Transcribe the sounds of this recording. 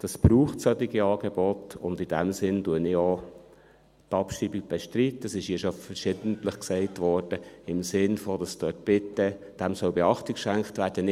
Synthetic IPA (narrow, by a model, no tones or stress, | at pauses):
d̥ɑsb̥ruːχtsœt̪iɡiɑːɡ̥eb̥ɔtʊndɪd̥æmsɪnduənɪo | tɑpʃɾiːbiɡ̚b̥ɛʃtɾitəsɪʃiːʃofəɾʃɪdəntləχksɛɪtʋɔɾd̥əɪmsɪnfod̥ɑstœt̚b̥ɪtːə | d̥æmsœʊbɛɑχtikʃæŋkχtvæːɾd̥ənɪ